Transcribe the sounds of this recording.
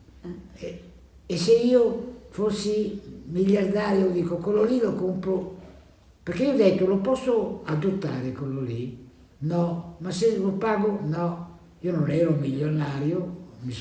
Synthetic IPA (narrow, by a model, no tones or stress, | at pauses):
ɛ | ɛsːeiːoforsimiʎːard̪aːɾjod̪iːkokololilokompo | peɾkeiːod̪ɛt̪ːolopɔsːoad̪ot̪ːaːɾekololi | nɔmaselopaːɡonɔ | iːononɛːɾomiʎːonaːɾjomi